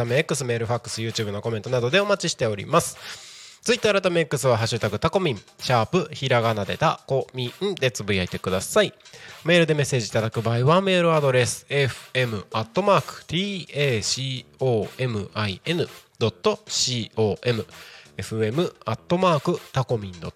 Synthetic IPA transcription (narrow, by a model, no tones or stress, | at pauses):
ameekːɯ̟sɨme̞ːɾɯ̟ɸakːɯ̟̥sɨjɯ̟ːt͡ɕɨ̟ːbɯ̟no̞ko̞me̞nt̪o̞nad̪o̞d̪e̞o̞mat͡ɕiɕi̥t̪e̞o̞ɾʲḭmasɨ̥t͡sɨit̪ːoaɾat̪ameekːɯ̟sɨβaɦaɕɨt̪akɯ̟̥t̪ako̞mʲĩm | ɕaːpɯçiɾaɡanad̪e̞t̪ako̞mʲĩɯ̟̃d̪e̞t͡sɨbɯ̟iait̪e̞kɯ̟d̪asaime̞ːɾɯ̟d̪e̞me̞sːe̞ːʑit̪ad̪akɯ̟baiβame̞ːɾɯ̟ad̪o̞ɾe̞sɨ̥e̞ɸɯ̟̥e̞mɯ̟at̪ːo̞maːkɯ̟̥t̪iːeːɕiːoːe̞mɯ̟ʔaie̞nɯ̟d̪o̞t̪ːo̞ɕiːo̞ːʔe̞mɯ̟e̞ɸɯ̟e̞mɯ̟at̪ːo̞maːkɯ̟t̪ako̞mʲĩnd̪o̞